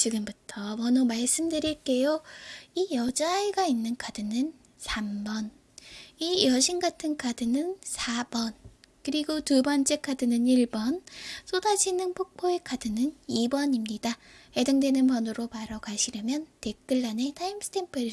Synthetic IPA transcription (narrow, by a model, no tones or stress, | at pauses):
t͡ɕiɡɯmbutʰʌwʌnomaɭs͈ɯmdɯɾiɭk͈e̞joijʌd͡ʑaiɡainːɯnkʰadɯnɯn | sʰambʌn | ijʌɕʰinɡatʰɯnkʰadɯnɯnsʰab̥ʌnkɯɾiɡotubʌnt͡ɕ͈ekʰadɯnɯniɭbʌns͈odad͡ʑʰinɯnpʰok̚pʰoekʰadɯnɯnibʌɲimɲidahe̞dɯŋdwe̞nɯnpʌnɯɾopaɾʌkaɕʰiɾjʌmjʌnte̞k͈ɯɭːane̞tʰaimsʰɯ̥tʰe̞mpʰɯɾi